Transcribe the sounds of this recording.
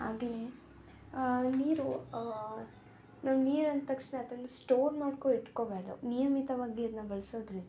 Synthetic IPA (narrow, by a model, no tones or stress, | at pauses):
a̰ːd̪ini | niːɾu | nɐmniːɾɐnt̪ɐkʂɳet̪ɐlːusʈoːɾmaːɖkoiʈkoːbaːɾɐd̪ṵnijɐmit̪ɐʋaːɡiɐd̪nɐbɐɭsoːd̪ɾind̪ɐ